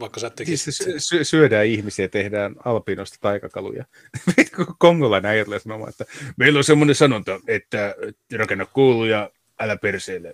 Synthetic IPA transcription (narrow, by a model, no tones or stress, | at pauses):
ʋɑikːɑsɑːt̪ːeisesøsysyødæːihmisiæt̪ehdæːnɑlpinost̪ɑ̥t̪ɑikɑkɑlṵjɑ̰ | mt̪kokoŋɡolɑineɑjɑt̪elesɑnomɑ̰ːet̪ːæmeilːosemːonesɑnunt̪ɑet̪ːæ | rɑkenːɑkkuːlujɑ | ælæperseːlːe